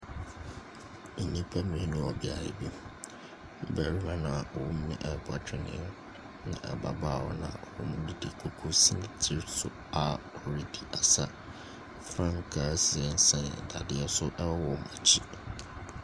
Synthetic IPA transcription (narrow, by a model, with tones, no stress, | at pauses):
n̩˨nĩ˦pʰa˦mĩ˨˦nʊ̃˦ɔ˨bɪ˨a˨jɪ̰˨bi˦ | m̩˦bæ˨ɾi˦mã˦nã˨ɔ˨wu˦m̩˦mɪ̃˦ʔɛ˨ba˨t͡ɕᶣɪ˨nɪ̰̃˨˦ | nã̰˨ʔɛ̰˨ba̰˨ba˦˨wɔ̰˦nã̰˨ɔ˨ɾɔ˨˦mʊ̃˦di˦di˨kʰu˦kʰu˦si˦m̃˨tʰi˦ɾsʊ˨ | a˨ | ɔ˨ɾi˦di˨ʔa˨sa˦ | fɾã˦ŋ˨kʰa˨˦sɪ˨ɛ˨n̩˦sã˦nɛ̰˨da˨dɪ˦ɛ˦sʊ˦ʔɛ˦wɔ˦wɔ˨ma̰˨t͡ɕʰi˦